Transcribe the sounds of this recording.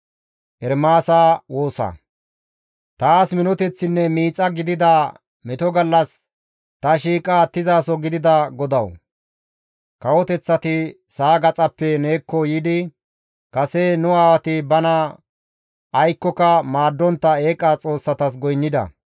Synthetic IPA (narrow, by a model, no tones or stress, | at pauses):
ʔɛɾmaːsaːwoːsɐ̰ | t̪aːsmɪnɔt̪ɛt͡sːɪnːɛmiːt͡sʼɐɡɪd̪ɪd̪a | mɪt̪ɔɡɐlːɐs | t̪ɐʃiːkʼaːt̪ɪzaːsɔɡɪd̪ɪd̪ɐɡɔd̪ɐw | kɐwɔt̪ɛt͡sːɐt̪ɪsaːɡɐt͡sʼɐpːɛne̞ːkːɔjɪd̪ɪ | kɐsenʊaːwɐt̪ɪbɐnɐ | ʔːjkːɔkɐmaːd̪ːɔnt̪ːɐe̞ːkʼːat͡sʼo̞ːsːɐt̪ɐs̬ɡɔjnːɪd̪ɐ̰